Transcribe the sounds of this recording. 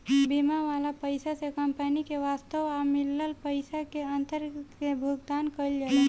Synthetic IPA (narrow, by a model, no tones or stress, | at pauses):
bimaʋalapəɪsasekəmpənikeʋast̪əʋamɪləlpəɪsakeənt̪əɾkebʱʊɡd̪ankəld͡ʒale